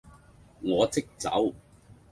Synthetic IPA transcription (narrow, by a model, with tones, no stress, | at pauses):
ŋɔː˨˧t͡sɪ˥k̚t͡sɐ̰˨˥w